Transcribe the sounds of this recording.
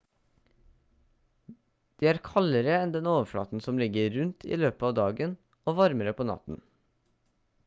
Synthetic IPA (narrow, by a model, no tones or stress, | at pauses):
d̪̥iːæːɾkʰɑləɾəɛnd̪ɛnoːʋəfɽɑ̰ːt̪n̩sɔmlɪɡəɾʉnt̪ʰḭːløːpəɑːd̪ɑːɡən | oːʋɑɾməɾəpʰoːnɑ̰t̪n̩